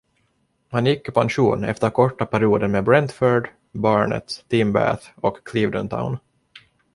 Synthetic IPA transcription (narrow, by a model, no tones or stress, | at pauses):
hanjɪkːɪpʰanʂṵːnɛ̰ft̪əɾkʰɔʈːapʰæɾɪuːd̪ənmeːbɾɛnt̪fœɖ | bɑːɳə̰t̪t̪ːimbæ̰θɔkːʰliːvd̪ə̰nt̪ʰa̰ʊn